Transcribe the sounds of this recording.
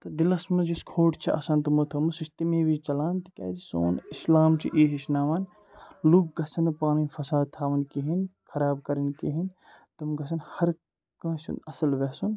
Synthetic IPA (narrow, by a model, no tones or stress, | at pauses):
t̪ɐd̪ilɐsmɐd͡ʒiskʰoːʈʰt͡ʃʰiʔɐ̰sɐːnt̪ɐmɐt̪ʰɐmɐsist̪imẽːʋit͡ʃɐlaːnt̪i̥kḛːd͡ʒiso̰ːnislaːmt͡ʃʰiʔiːɦiʃnaːʋɐn | luk̚ɡɐsɐnɐpaːninfɐsaːd̪̚t̪ʰaːʋɐnkiɦinkʰɐɾaːb̚kɐɾinkiɦin | t̪ɐmɡɐs̬ɐnhɐɾ | kɐ̃ːsṵnɐsɐlʋesun